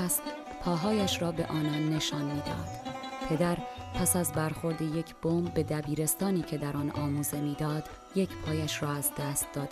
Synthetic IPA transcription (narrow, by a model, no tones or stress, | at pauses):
st̪ | pʰɒːɦɒːjæʃɾɒːbe̞ʔɒːnɒːnːe̞ʃɒːnmiːd̪ɒ̰ːd̪̥pʰe̞d̪æɾ | pʰæsæzbæɾxo̞ɾd̪eje̞cʰb̥oːmbːe̞d̪æbiːɾe̞st̪ɒːniːcʰe̞d̪æɾɒːnɒ̰ːmuːze̞miːd̪ɒːd̪̥ | je̞cʰpʰɒːjæʃɾɒːæzd̪æːst̪̚d̪ɒːd̪